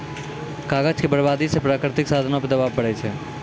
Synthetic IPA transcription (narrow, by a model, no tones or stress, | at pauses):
kaːɡəd͡ʒkebəɾbaːd̪isepɾaːkɾɪt̪ɪksaːd̪ʱənõpəɾd̪əbaːbːəɽɛt͡ʃʰɛ